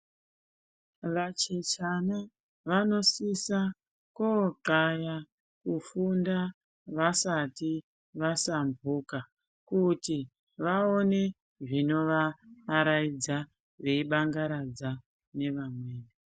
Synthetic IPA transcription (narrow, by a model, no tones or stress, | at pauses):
ʋat͡ʃet͡ʃana | ʋano̞sisa | koǁaja | kufunda | ʋasati | ʋasambuka | kuti | ʋaone̞ | ʐino̞ʋaɾaid͡za | ʐe̞iɓaŋɡaɾad͡za | ne̞ʋamweːne